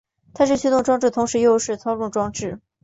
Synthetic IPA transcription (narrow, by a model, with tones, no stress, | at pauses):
t̪ʰa˥˧ʂ̬ɻ̩˥˩ɕʰy˥t̪ʊ˥˩ŋʈ͡ʂwɑ˥ŋʈ͡ʂɻ̩˥˩t̪ʰʊ˧˥ŋʂɻ̩˧˥jo˥˧ʊʂɻ̩˥˩t͡sʰɑ˥ʊʈ͡ʂʊ˥˩ŋʈ͡ʂwɑ˥ŋʈ͡ʂɻ̩˥˩